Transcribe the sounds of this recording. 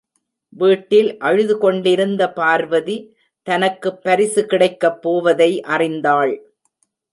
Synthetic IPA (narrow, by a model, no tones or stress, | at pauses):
ʋiːʈːɪlʔɐɻɯðɯkɔɳɖɪɾɯnd̪ɐpaːɾʋɐði | t̪ɐnɐkːɯpːɐɾɪsɯkɪɽɐɪkːɐpːoːʋɐðɐɪʔɐrɪnd̪aːɭ